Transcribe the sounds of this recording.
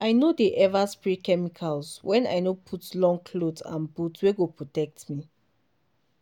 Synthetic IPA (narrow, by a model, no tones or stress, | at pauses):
ajnodeʔɛvaspɹikɛmikʰalzwʔɛ̃na̰jnopʰutlɔ̃ŋkʰlodsã̰nbutweɡopɹɔtɛk̚tmi